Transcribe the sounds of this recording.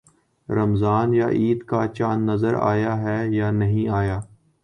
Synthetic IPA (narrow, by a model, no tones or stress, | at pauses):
ɾɐmzaːnja̰ʔiːd̪kat͡ʃaːnːɐzəɾa̰ːjaɦɛjaːnɐɦĩaːjaː